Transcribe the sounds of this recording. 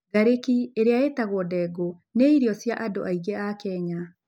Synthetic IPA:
ɡaɾekieɾeaetaɣwɔdɛɡo | neiɾjɔsjaʔado̰ʔaiɣeakɛɲa

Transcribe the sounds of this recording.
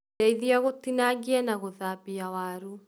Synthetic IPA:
aiðiaɣot̪inaɡiɛnaɣoðaβiawaɾu

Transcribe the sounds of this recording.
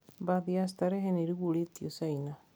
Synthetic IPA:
baðias̬t̪aɾeɦeneɾiɣuɾetiosaina

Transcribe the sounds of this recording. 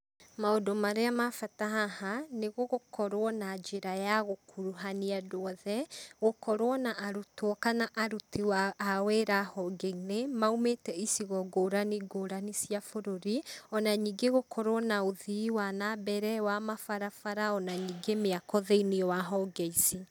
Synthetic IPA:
maodomaɾeamafataɦahaneɣoɣokʰɔɾwɔnad͡ʒeɾajaɣokʰuɾuɦaniadoɔðɛɣokɔɾwɔnaʔaɾutwɔkanaʔaɾutiwaaweɾahɔɡeinemaumetɛisiɣɔɡoːɾaniɡoːɾanisiafoɾoɾiɔnaɲiɡeɣokʰɔɾwɔnaoðiwanabɛɾɛwamafaɾafaɾaɔnaɲiɡemeakɔðeiniɔwaɦɔɡɛisi

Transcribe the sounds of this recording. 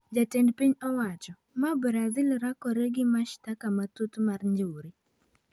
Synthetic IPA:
d͡ʒatɛndpiɲɔwat͡ʃɔ | mabɾazilɾakɔɾeɡɪmaʃtakamatutmarɲd͡ʒuɾi

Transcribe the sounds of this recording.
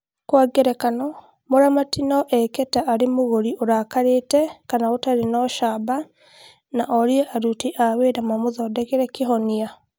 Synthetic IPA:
kwaɡɛɾɛkanɔ | moɾamatinɔʔɛkɛtaʔːɾemoɣoɾioɾaːkaɾetɛkanaotaɾenɔʃaba | naʔɔɾiɛʔaɾutiʔaweɾamamoðɔdɛkeɾɛkeɦɔnia

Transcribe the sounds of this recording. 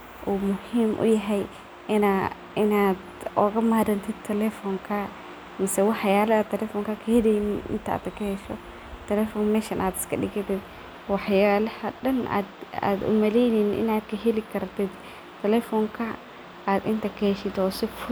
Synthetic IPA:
ʔuːmʊhiːmʔʊ̰jɐɦɛj | ʔɪna | ɪnaːd̪ɔːɣɐmaːɾɐnt̪ʰɪd̪t̪ʰɛlɛfɔŋkʰɐ | mɐsɛwɑħjaːlɐɐt̪ʰɛlɛfɔːŋkʰɐkʰɐhɛlɛjnɪnʔɪ̰nt̪ʰɐa̰ːt̪ɐkʰɐhɛʃɔ̰ | t̪ʰɛlɛfɔnmɛːʃɐnʔaːd̪ɪskʰɐɗɪɣɐt̪ʰɪd̪̚ | wɑħjaːlɐhɐɖɐna̰ːd̪a̰ːd̪ʊ̰mɐlɛjninʔɪ̰naːd̪kʰɐɦɛlɪkʰɐɾt̪ʰɪd̪ | t̪ʰːɛlɛfɔːŋkʰɐ | aːd̪ɪnt̪ʰɐkʰɐhɛʃɪd̪ɔːsɪfʊ

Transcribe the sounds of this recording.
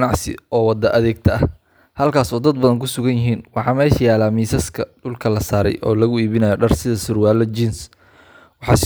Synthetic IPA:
nɑʕsɪ̰ʔɔːwɑd̪ɐʔɐðɛːɡ̚t̪ʰɐɐ | hɐlkʰaːsɔːd̪ɐd̪bɐðɐŋkʰʊsʊɣɐnjɪɦiːnwɑħɑːmɛːʃɐjaːlaːmiːsɐskʰɐɖʊlkʰɐlɐsaːɾɛ̰jʔɔ̰ːlɐɣʊiːβɪnɐjɔɖɐrsɪðɐsʊrwaːlɐt͡ʃins | wɑħɑːs

